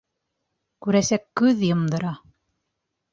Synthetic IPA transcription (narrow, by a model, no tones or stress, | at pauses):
kʉɾæsækːʉðjɤ̆md̪ɤ̆ɾɑ